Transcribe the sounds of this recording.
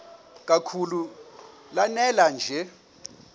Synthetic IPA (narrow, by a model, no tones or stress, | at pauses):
k̬ʼakʰulu | lanɛland͡ʒʱɛ